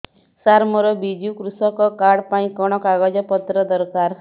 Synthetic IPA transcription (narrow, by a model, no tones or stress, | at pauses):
saɾmɔɾɔbid͡ʒukɾusɔkɔkaɽpaĩkɔɽ̃ɔkaɡɔd͡ʒɔpɔt̪ɾɔd̪ɔɾkaɾ